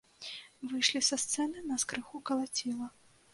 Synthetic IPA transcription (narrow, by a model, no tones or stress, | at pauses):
vɨjʂlʲisɐst̪sɛnɨnɐskɾɨxukɐlˠat͡sʲilˠɐ